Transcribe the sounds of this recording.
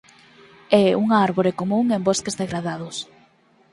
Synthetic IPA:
ɛuŋaaɾβoɾekomũŋembɔskezðeɣɾaðað̞ʊs

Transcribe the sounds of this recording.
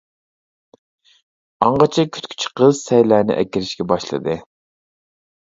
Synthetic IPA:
ɑɴʁɑt͡ʃʰɛkʲʰy̥t̪kʲʰy̥t͡ʃʰi̥qəz̥sɛjlæːnɪ̰ʔɛ̰kʲiɾɪʃkʲɛbɑʃlˠɨ̰d̪ɨ

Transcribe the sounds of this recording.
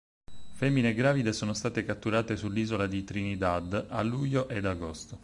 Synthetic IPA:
fɛmːineɡɾaːvid̪esoːnost̪aːt̪ekat̪ːuɾaːt̪esulːiːzolad̪it̪ɾinid̪ad̪alːuʎːoʔed̪aɡost̪o

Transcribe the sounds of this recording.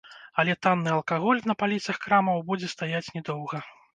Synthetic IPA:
ɐlʲɛt̪anːɨɐlˠkaɣɔlʲnɐpalʲit̪sɐxkɾamɐwbud͡zʲɛst̪ajat͡sʲnʲɛd̪ɔwɣɐ

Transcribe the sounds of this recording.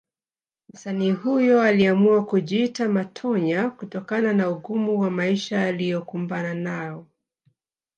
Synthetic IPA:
m̩saniːhujɔaliamuakuʄiitamatʰɔɲakutɔkananauɠumuwamaiʃaalijɔkumbananaɔ

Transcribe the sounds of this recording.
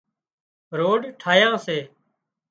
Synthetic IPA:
ɾoːɖʈʰaːjãːseː

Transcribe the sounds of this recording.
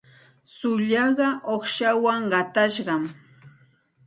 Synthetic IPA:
sʊʎɑɢɑʔoχʃawaŋɢɑt̪aʃɢɑm

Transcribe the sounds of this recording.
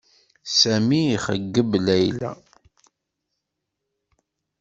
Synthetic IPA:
sæmiːχəɡːəblæjlæ̰

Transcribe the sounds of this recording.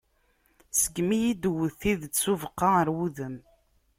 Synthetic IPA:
səɡmijid̪wəθiðt͡sːuvəqːɑəɾwuðəm

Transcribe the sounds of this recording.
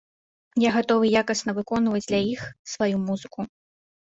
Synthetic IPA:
jaɣat̪ɔvɨjakɐsnɐvɨkɔnvɐd͡zʲd̪lʲajixsvajumuzɨku

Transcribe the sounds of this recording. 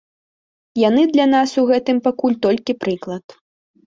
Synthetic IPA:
janɨd̪lʲan̪asuɣɛt̪ɨmpakulʲt̪ɔlʲkʲipɾɨklˠɐt̪

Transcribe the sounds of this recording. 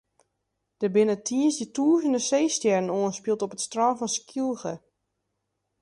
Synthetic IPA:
d̥əbɪnətʰiəsjətʰuəzəndəsejstjɛrənoənspilˠtɔpətstrɔnfɔnskjulˠxə

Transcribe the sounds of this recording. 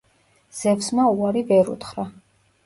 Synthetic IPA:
z̥ɛfsmauaɾivɛɾṵt̪χɾa

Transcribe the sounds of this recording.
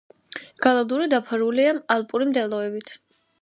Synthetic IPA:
ɡ̥alˠad̪uɾid̪apʰaɾuliaalˠpʼuɾimd̪ɛlˠɔɛbit̪ʰ

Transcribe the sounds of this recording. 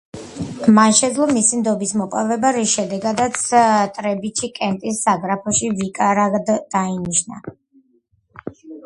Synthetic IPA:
manʃɛd̪zlˠɔmisimd̪ɔbismɔpʼavɛbaɾisʃɛd̪ɛɡad̪at̪sʰt̪ʼɾɛbit͡ʃʰikʼɛnt̪ʼisːaɡɾapʰɔʃivikʼaɾaɡd̪d̪̥ainiʃna̰

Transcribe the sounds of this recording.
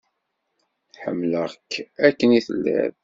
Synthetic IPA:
ħə̰mːləʁkʰːækːəniθə̰lːæ̰ð

